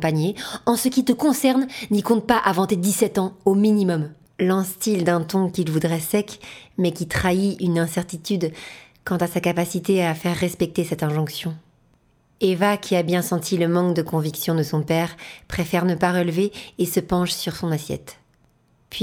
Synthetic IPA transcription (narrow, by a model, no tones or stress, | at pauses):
paɲeɑ̃səkʲit̪əkɔ̃sɛʁnnikɔ̃t̪̚paʔavɑ̃t̪ed̪isɛt̪ɑ̃ominimɔm | lɛ̃st̪ild̪ɛ̃t̪ɔ̃kʲilvud̪ʁɛsɛkmɛkʲit̪χaiynɛ̃sɛʁt̪it̪yd̪ | kɑ̃t̪asakapasit̪eafɛʁːɛspɛk̚t̪esɛt̪ɛ̃ʒɔ̃ksjɔ̃ | evakʲʰiabjɛ̃sɑ̃t̪ʰiləmɑ̃kd̪əkɔ̃viksjɔ̃d̪əsɔ̃pɛʁpχefɛʁnəpaʁəlveːsəpɑ̃ʃsyʁsɔ̃nasjɛ̰t̪ | pɥi